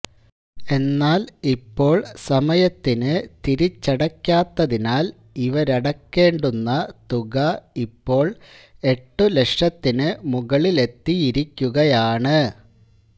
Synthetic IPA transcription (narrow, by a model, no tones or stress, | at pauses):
e̞nːaːlipːo̞ːɭsɐmɐjɐt̪ːinɨt̪iɾit͡ɕːɐɽɐkʲːaːt̪ːɐðinaːl | iʋɐɾɐɽɐkːe̞ːɳɖunːɐt̪uɣɐipːo̞ːɭ | e̞ʈːɨleʂɐt̪ːinɨmuɣɐɭile̞t̪ːijiɾikʲːuɣɐjaːɳɨ